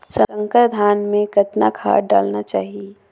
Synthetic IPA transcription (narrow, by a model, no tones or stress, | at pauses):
sə̃ə̃ŋkəɾd̪ʱaːnmẽkət̪na̰kʰa̰ːɾɖa̰ːlnat͡ʃaːɦie